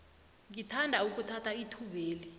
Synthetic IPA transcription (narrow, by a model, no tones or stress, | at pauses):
ŋitʰandʱauk̬ʼutʰatʰaitʰuɓeːli